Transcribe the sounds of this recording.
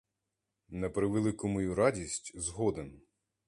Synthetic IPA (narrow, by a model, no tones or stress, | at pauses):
nɐpɾɪʋelˠɪkʊmɔjuɾɑdʲisʲtʲzɦɔd̪en